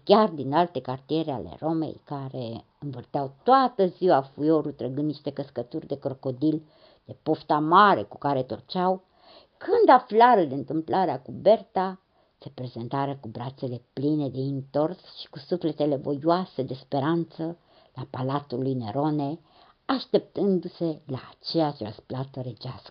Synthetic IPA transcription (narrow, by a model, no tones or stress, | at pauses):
kʲard̪inalt̪e̞kart̪ie̞ɾea̰lḛro̞me̞̰jkaɾe | ɨnvɨrt̪eawt̪oat̪əziwafujo̞ɾut̪ɾəɡɨnd̪niʃt̪e̞kəskət̪urʲd̪e̞kɾo̞ko̞d̪il | d̪̥e̞po̞ft̪amaɾe̞̰ku̥kaɾe̞t̪urt͡ʃaw | kʰɨnd̪aflaɾəd̪eɨnt̪ɨmplʔaɾeakube̞rt̪a | sepɾe̞ze̞nt̪aɾeakubɾat̪se̞le̞pline̞d̪e̞int̪o̞rsʃi̥kusufle̞t̪e̞le̞vo̞̰juase̞d̪e̞spe̞ɾant̪sə | lapalat̪ulujneɾone̞ | aʃt̪e̞p̚t̪ɨnd̪use̞la̰ːt͡ʃe̞jat͡ʃrə̰splat̪əɾed͡ʒaskə̥